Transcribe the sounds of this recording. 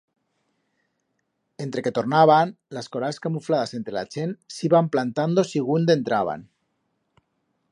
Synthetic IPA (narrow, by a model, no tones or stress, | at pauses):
ent̪ɾe̞ket̪ornaβ̞anlaskoɾaskamuflað̞asent̪ɾela̰t͡ʃensiβamplant̪and̪osiɣ̞und̪ent̪ɾaβ̞a̰n